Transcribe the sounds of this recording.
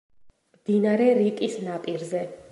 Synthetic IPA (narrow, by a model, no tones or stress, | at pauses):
md̪̥inaɾɛɾikʼisnapʼiɾzɛ